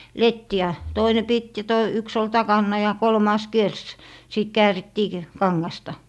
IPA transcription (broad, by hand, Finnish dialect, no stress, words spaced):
letːi jɑ toine pit jɑ to yks ol tɑkɑnːɑ jɑ kolmɑˑs kiers siˑt kæːritːiː k kɑŋːɑstɑ